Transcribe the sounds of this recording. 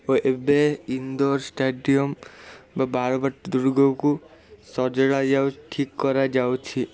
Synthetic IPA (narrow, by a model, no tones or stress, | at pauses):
oʔebeind̪oɾsʈeɖiɔmbabaɾbaʈd̪uɾɡʱoku | sɔd͡ʒɔɽad͡ʒawʈʰikːɔɾad͡ʒawt͡ʃʰi